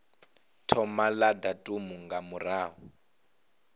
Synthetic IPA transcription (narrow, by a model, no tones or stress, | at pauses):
tʰɔmaladatʼumuŋɡamuraːɦɔ